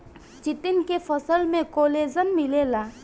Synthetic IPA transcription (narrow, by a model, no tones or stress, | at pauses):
t͡ʃɪt̪ɪnkefʰɐsəlmẽkoːleːzəmːɪleːlaː